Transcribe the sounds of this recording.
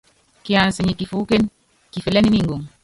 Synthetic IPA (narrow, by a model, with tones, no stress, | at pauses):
ki˨a˨n˨se˨ɲi˨ki˨fu˨˦ke˦n | ki˨fe˨lɛ˦ni˦ni˦˨ŋɡu˨ŋ